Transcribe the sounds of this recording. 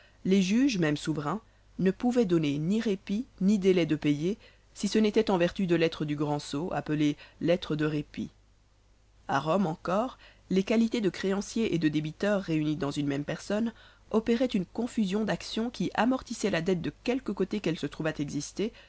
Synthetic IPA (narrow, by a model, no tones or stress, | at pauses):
leʒyʒmɛmsuvʁɛ̃ | nəpuvɛd̪ɔneniʁepinid̪elɛd̪əpeje | sisənet̪ɛt̪ɑ̃vɛʁt̪yd̪əlɛt̪χəd̪yɡʁɑ̃soʔa̰pəlelɛt̪χəd̪əʁepḭ | a̰ʁɔmɑ̃kɔːʁ | lekalit̪ed̪əkχeɑ̃sjeʔed̪əd̪ebit̪œʁːeynid̪ɑ̃zynmɛmpɛʁsɔn | ɔpeʁɛt̪ynkɔ̃fyzjɔ̃d̪aksjɔ̃kʲiʔamɔʁt̪isɛlad̪ɛt̪̚d̪əkʲɛlkəkot̪ekɛlsət̪χuvat̪ɛɡzist̪e